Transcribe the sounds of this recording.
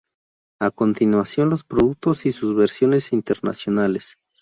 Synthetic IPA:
ako̞nt̪inwasjo̞nlo̞spɾoðuk̚t̪osisuzβeɾsjo̞ne̞sint̪eɾna̰sjo̞nales

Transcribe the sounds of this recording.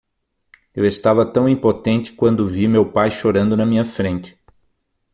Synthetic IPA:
ewest̪avɐt̪ɐ̃w̃ĩpot̪ẽnt͡ʃ̪ɪ̥kwɐ̃nd̪ʊvimewpajʃoɾɐ̃nd̪ʊnɐmĩɲɐfɾẽnt̪ɪ̥

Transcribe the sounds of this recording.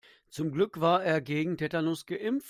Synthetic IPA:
t͡sʊmɡlʏkv̥aːɐeːɐɡeːɡŋ̩tʰɛtanʊsɡ̥əʔɪmf

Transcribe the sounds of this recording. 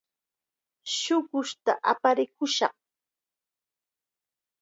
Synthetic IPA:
ʃʊɢʊʃt̪aʔapaɾɪkʊʃɑ̰χ

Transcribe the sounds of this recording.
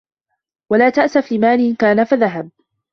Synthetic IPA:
walaːt̪aʔsaflɪmaːnɪkaːnafaðaɦab̚

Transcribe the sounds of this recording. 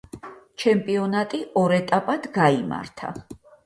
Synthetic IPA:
t͡ʃʰɛmpʼiɔnat̪ʼiʔɔɾɛt̪ʼapʼad̪ɡaima̰ɾt̪ʰa̰

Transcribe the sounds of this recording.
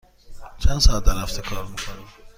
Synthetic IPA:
t͡ʃʰænd̪sɒːæt̪d̪æɾhæft̪ʰekʰɒːɾmikʰonim

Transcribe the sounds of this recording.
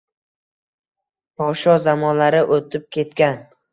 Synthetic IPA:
pʰɒʃɒzamɒnlaɾɪʔot̪ʰɪp̚kʲʰe̞t̪̚kʲan

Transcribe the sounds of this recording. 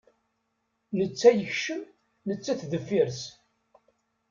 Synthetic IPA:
nət͡sːæjəçʃəm | nət͡sːæθðəfːiɾs

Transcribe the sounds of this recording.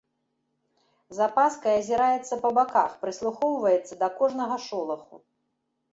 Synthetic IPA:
zapaskɐjɐzʲiɾajɛt̪sːɐpɐbaka̰xpɾɨslˠuxɔwvɐjɛt̪sːɐd̪ɐkɔʐnɐɣɐʂɔlˠɐxṵ

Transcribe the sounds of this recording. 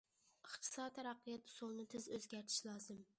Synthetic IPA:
ɨχt̪ʰɨ̥sɑd̪t̪ʰæɾɑqːɨjɑt̪̚solˠnɪt̪ʰɪzøzɡʲæɾt̪ʰɪ̥ʃlˠɑzɨm

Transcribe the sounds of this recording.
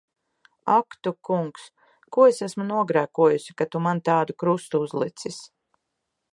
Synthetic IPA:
akt̪ukuŋks | kuɔesæsmunuɔɡɾæːkuɔjusi̥kat̪umant̪aːd̪ukɾust̪uuzlˠit̪sis

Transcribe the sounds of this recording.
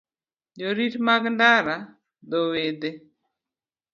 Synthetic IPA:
d͡ʒoɾiɾmaɡndaɾa | dowed̪e

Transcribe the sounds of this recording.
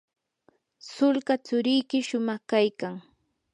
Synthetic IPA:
sʊlkat͡sʊɾɪjkɪʃʊmɑχkajkaŋ

